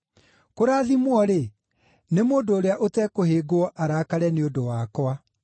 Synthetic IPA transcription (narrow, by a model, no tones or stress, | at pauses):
koɾaːðimwɔɾe | nemoːndoːɾeaʔotɛkoheːɡoɔʔaɾaːkaɾɛneodowaːkwa